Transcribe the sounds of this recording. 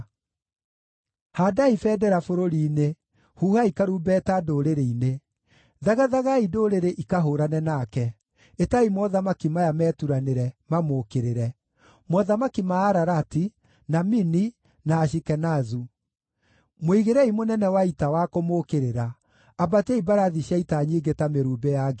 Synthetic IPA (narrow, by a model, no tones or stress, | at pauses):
hadaifɛːdɛɾafoɾoɾiːne | huːhaikaɾubɛtadoːɾeɾeine | ðaɣaðaɣaidoɾeɾeʔikaɦoːɾanɛnakɛ | etaimwɔðamakimajamɛːtuɾaneɾɛmamoːkeɾeɾɛ | mwɔðamakimaːɾaɾati | namini | naːʃikɛnazu | moiɣeɾɛimonɛnɛwaitawakomokeɾeɾaː | batɛibaɾaðiɕjaitaɲiːɡetameɾuːbɛjaɡe